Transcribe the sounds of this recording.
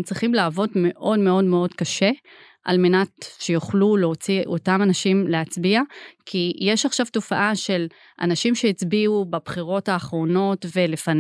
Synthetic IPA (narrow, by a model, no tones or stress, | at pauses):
t͡sʁiχimlaːvo̞dme̞ʔo̞dme̞o̞dme̞o̞dkaʃe̞ | ʔa̰lme̞natʃe̞joχluleot͡siʔo̞tamanaʃimleat͡sbiakʰijeʃaχʃavto̞faʔaʃe̞l | ʔa̰naʃimʃeit͡sbiubabχiʁo̞thaːχʁo̞no̞tve̞le̞fan